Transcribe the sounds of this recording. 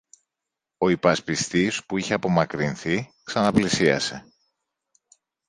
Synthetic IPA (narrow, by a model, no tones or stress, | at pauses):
o̞ipɐspist̪ispuiçe̞ɐpo̞mɐkɾinθiksɐnɐplisiɐ̰se̞